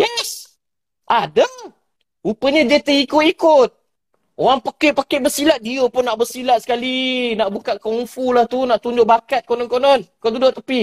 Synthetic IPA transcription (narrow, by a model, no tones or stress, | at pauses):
jɛs | ʔadə | upəɲəd͡ʒet̪əikʊt̪ikʊt̪̚ | oɾaŋpakeʔpakeʔbəsilaʔ̪̚diopʊnːaʔbəsilaʔsə̥kalinaʔbukaʔkɔŋfulaht̪unaʔt̪uɲd͡ʒʊʔ̚bakat̪̚konɔnkonɔnkod̪und͡ʒʊʔt̪əpi